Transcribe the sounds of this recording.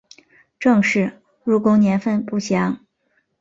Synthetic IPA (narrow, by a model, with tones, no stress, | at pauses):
ʈ͡ʂɤ˥˧ŋʂɻ̩˥˩ | ɻu˧˥kʊ˥ŋnjɛ˧˥nfə˥˧npu˥˩ɕjɑ˧˥ŋ